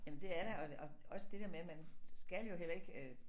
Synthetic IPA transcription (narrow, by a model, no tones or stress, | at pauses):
jæmənd̥e̝æɐɾ̥eɒ̽ɒɒ̽səd̥e̝d̥eɐmemænsɡ̥æljo̝ɦel̰ɐe̝ɡ̥ø